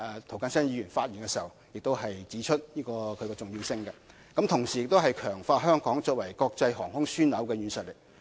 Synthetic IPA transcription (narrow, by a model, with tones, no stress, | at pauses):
ɛ˨˧t̪ʰwkaː˧˥nsɐ˥njiː˨˧jyː˨˩nfaː˧t̚jyː˨˩nkɛ˧siː˨ɐ˨wjɪ˨k̚t̪o˥wɦɐ˨jt͡siː˨˥t͡ʃʰɵ˥t̚jiː˥kɔː˧kʰɵ˨˧ɥkɛː˧t͡sʊ˨ŋjiː˧wsɪ˥ŋkɛ˧ | kɐ˨˥mt̪ʰʊ˨˩ŋsiː˨jɪ˨k̚t̪o˥wɦɐ˨jkʰœː˨˩ŋfaː˧t̚ɦœː˥ŋkɔː˨˥ŋt͡sɔː˧k̚wɐ˨˩jkɔː˧k̚t͡sɐ˧jɦɔ̰ː˨˩ŋhʊ˥ŋsyː˥nlɐ˨˥wkɛː˧ɥy˨˥nsɐ˨t̚lɪ˨k̚